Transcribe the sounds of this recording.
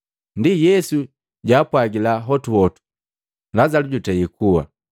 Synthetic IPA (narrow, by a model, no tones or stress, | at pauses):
ndijɛsu | ɟaːpwaɡilaɦɔtuwɔtu̥ | lazaluɟutɛikuwa̰